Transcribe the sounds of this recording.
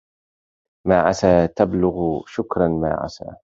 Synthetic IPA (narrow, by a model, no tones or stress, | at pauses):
maːʕasaːt̪ablʊɣʃʊkɾˤɑnma̰ːʕa̰sa̰ː